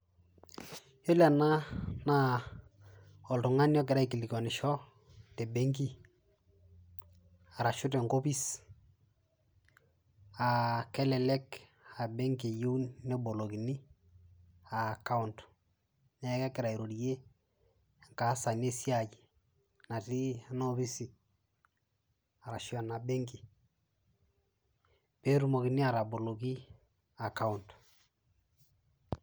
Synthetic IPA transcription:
jɔ˦li˦a˨na˦na˦ | ɔ˨ltʊ˨ŋa˦njɔ˦k̬ɪ˨ɾa˦i˨ki˨li˨kɔ˨nɪ˨ʃɔ˦ | tɛ˨be˦ŋki˦ | a˨ɾa˨ʃʊ˦t̬ɛ˨ŋɡo˦bi˦s | a˨kɛ˦lɛ˨lɛ˦k | a˨bɛ˦ŋɡe˨ju˦wnnɛ˦bo˨lo˨ki˨ni˦ | a˨ka˦u˦nt | nɛ˦kɛ˦kɪ˨ɾa˨i˨ɾo˨ɾje˦ | ŋka˨˦sa˨ne˦sja˦˨d͡ʒi˨ | na˨ti˦no˦βi˦si˨ | a˨ɾa˨ʃjɔ˨na˨be˦ŋki˨ | pe˦ɾu˦mo˨ki˨ni˦a˨ɾa˨bo˨lo˨ɡi˦ | a˨ka˦u˨nt

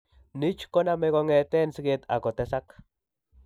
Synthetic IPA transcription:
ni˦t͡ʃko˦na˧me˧ko˧ŋe˨t̪e˦nsi˦ke˦˧t̪a̰˨ko˨t̪e˦sa˦k

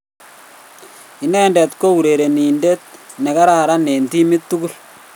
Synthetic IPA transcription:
i˨nɛ˦ndɛ˨t̪ko˦u˨ɾe˨ɾe˨ni˨nde˦t̪̚ | nɛ˨ka˦ɾa˨ɾa˦ne˨nti˦mɪ˦t̪ːu˦ku˦l

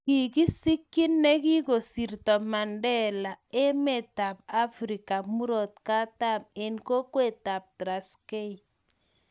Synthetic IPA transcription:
ki˨ki˦si˦kːi˦nːe˦ki˦ɡo˨si˨ɾtɔ˨ma˨ndɛ˦la˨e˦me˨ta˨p̚a˦fɾi˨ka˨mu˦ɾo˨t̪ka˦ta˦˨me˨nko˦kwe˦˨ta˨p̚tɾa˨ske˦i˨

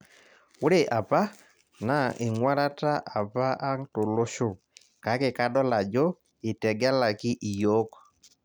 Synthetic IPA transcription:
ʊ˦ɾe˨ʔa˨pa˦ | na˦ʔɪ˨ŋwa˦ɾa˦ta˦ʔa˨pa˦ʔa˦ŋto˨lo˦ʃo˦˨ | ka˨˦kɪ˨ka˦ɗɔ˦la˨d͡ʒɔ˦ | ɪ˨tɛ˨ɡa˦la˨kɪ˦ʔi˨jɔ˦kɔ̥˨

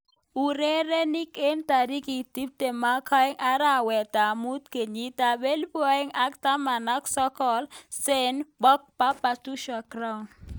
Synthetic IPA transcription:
u˨ɾe˦ɾe˦ni˦ke˦nta˨ɾi˦ki˨ti˦p̚te˨ma˦kʰɔ˦ɛ˦ŋʔa˦ɾa˦˨wɛ˨ta˨mu˦t̪ke˨ɲi˦ta˨be˦lbɔ˦ɛ˦ŋa˦kta˦ma˨na˦ksɔ˦kɔ˦˨lse˦nbɔ˦k̚pa˦pa˨tu˦ʃa˨kɾa˦u˨n

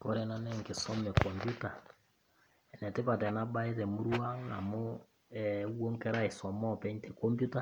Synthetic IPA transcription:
kɔ˦ɾɛ˨na˦nɛ˦ŋke˨sɔ˦mɛ˨kɔ˨mpju˦ta˨ | ɛ˨nɛ˨te˦pa˨tɛ˨na˦ba˦e˦zɛ˨mu˦ɾwa˦na̰˨mo˦ | ɛ˦wwo˦ŋkɛ˦ɾa˦e˨sɔ˨mɔ˦˨pɛ˦ɲtɛ˨kɔ˦mpju˦ta˦

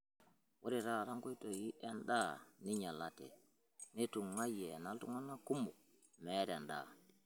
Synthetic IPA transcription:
wʔo˦ɾiɾaɾa˦ŋku˦jtoji˦ʔɛnɗaː˦ni˦ɲa˨latɛ̰ | ni˦tu˨ŋːa˦jɛnaltuŋa˦nːa˦ku˦mu˨ | mɛɾɛnɗa̰

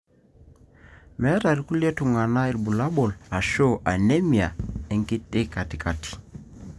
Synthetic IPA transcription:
mɛ˦ta˨ɾi˦ku˦le˦tu˨ŋa˨na˦i˨lbu˨la˦ɓɔ˨la˨ʃo˦ʔa˨ne˦mi˨a˨ɛ˦ŋkɪ˦tɪ˦ka˨ti˨ka˨tʰi̥˨

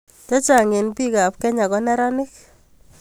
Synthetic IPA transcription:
tɔ˦t͡ʃa˨ŋɪ˨npi˦ka˨p̚kɛ˦ɲa˨kɔ˦nɛ˦ɾɔ˦nɪ˦k̚

